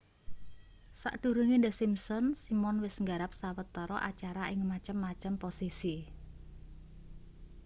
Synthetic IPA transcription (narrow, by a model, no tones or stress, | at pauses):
sa̰ʔd̪̥ṳɾuŋind̪əsimsɔnsimɔnwɪsŋɡaɾap̚sawət̪ːɔɾɔʔat͡ʃaɾaʔɪŋmat͡ʃəmːat͡ʃəmposisi